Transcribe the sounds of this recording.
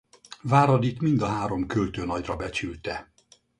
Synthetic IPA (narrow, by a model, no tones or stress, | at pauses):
vaːɾɒd̪it̪mind̪ɒɦaːɾo̞mkølt̪øːnɒɟrɒbɛt͡ʃylt̪ɛ